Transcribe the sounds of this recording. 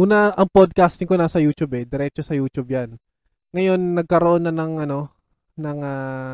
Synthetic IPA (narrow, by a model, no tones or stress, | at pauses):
ʔuːnɐʔɐŋpod̪̚kast̪ɪŋko̞naːsɐjuːt͡ʃubɛd̪ɛɾɛt͡ʃosɐjuːt͡ʃubjan | ŋɐjo̞nːɐɡ̚kɐɾoʔo̞nːɐnɐŋʔɐno̞ | nɐŋa